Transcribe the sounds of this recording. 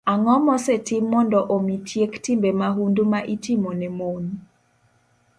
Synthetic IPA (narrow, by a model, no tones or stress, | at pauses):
aŋɔmɔsetimːɔndɔʔomitʰjektimbemaɦundumaʔitimonɛmon